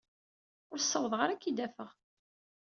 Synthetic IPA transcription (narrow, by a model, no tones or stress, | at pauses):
ʊɾsːəwðˤʁəɾækːid̪æfəʁ